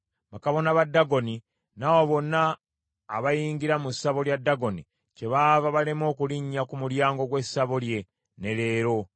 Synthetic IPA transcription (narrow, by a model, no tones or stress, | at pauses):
βakaβo̞naβadːaɡo̞ni | nawoβo̞nːaː | βajiːŋɡiɾamusaβo̞ljadːaɡo̞ni | ce̞βavaβalemo̞ːkuliɲːakumuɾjaːŋɡo̞ɡwe̞saβolje̞ | ne̞le̞ːɾo̞